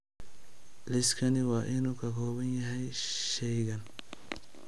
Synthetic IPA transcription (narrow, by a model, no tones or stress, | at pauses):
lɪskʰɐnɪwɑːʔɪnuːkʰɐkʰɔːβɐnjɐɦɛjʃɛjɣɐn